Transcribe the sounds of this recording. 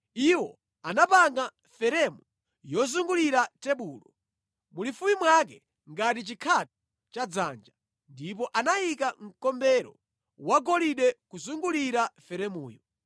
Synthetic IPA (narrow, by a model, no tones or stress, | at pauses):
iwɔ | anapaŋɡa | fɛɾɛmu | jɔzuŋɡuliɾatɛɓuːlɔ | mulifumimwak̬ɛ | ŋɡat̬it͡ʃikʰat̚ɔ̥ | t͡ʃad͡za̰nd͡ʒa | ndip̬ɔʔanajikaŋ̩kɔmbɛɾɔ̰ | waɡɔliɗɛkuzuŋɡuliɾafɛɾɛmuːjɔ